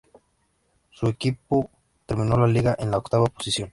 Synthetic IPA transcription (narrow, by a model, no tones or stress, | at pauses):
sue̞kipo | t̪eɾmĩnolaliɣaʔenlaokt̪aβaposisjo̞n